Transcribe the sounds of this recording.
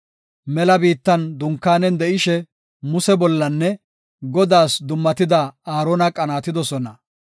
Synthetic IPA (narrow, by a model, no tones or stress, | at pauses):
mɛlɐbiːt̪ːɐnd̪ʊŋkːaːnɛnd̪ɛʔɪʃɛ | mʊsɛbɔlːɐnːɛ | ɡɔd̪aːsd̪ʊmːɐt̪ɪd̪ɐaːɾoːnɐkʼɐnaːt̪ɪd̪ɔsɔnɐ